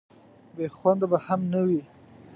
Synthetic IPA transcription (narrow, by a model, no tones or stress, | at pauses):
bexwand̪abahamnawi